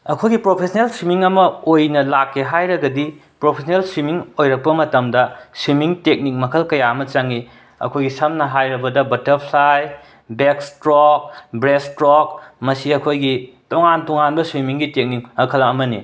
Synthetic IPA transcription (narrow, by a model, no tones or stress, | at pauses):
ɐkʰojɡipɾopʰesɐnelswimiŋɐmɐojnɐlakːeɦajɾɐɡɐdipɾopʰesʰnelswimiŋojɾɐk̚pɐmɐtɐmdɐswimiŋtek̚nik̚mɐkʰɐlkɐjaɐmɐt͡ʃaŋi | ɐ̰kʰojɡisɐmnɐɦajɾɐbɐdɐbɐtɐɾpʰlaj | bekstɾok̚bɾestɾok̚mɐsiɐkʰojɡitoŋantoŋanbɐswimiŋɡitek̚niŋɐkʰɐlɐmɐnḭ